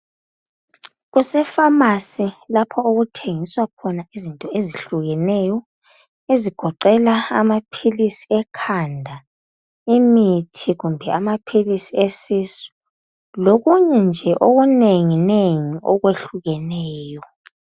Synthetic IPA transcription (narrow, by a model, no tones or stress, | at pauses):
ɣusɛfamasilapʰɔoɣutʰeŋiswakʰɔnaizintʼɔeziɬuɣɛnɛjɔ | eziɡ̥ʱɔǃɛlaa̰mapʰilisi̥ɛkʰandʱa | imitʰiɣumbʱɛamapʰilisiesisu̥ | loɣuɲɛnd͡ʒʱɛʔoɣuneŋineŋiʔɔɣweɬuɣɛnɛːjɔ